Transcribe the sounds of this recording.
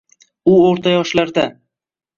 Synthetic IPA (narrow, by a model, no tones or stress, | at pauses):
ʊoɾt̪ʰajɒʃlaɾd̪a